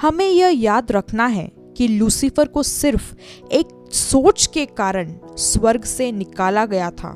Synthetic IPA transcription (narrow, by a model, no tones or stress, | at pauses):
hɐmẽjɐɦjaːd̪ɾɐkʰnaɦɛ̰ | kiluːsɪfəɾkosɪɾf | eːk̚ | soːt͡ʃkekaːɾəɳ̃swɐɾɡsenɪkaːlaɡɐjat̪ʰa̰ː